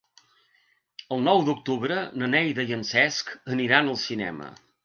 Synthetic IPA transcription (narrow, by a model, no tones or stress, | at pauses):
əlˠnɔwd̪uk̚t̪uβɾənənɛjðəjənsɛskəniɾanəlˠsinɛ̰mə̰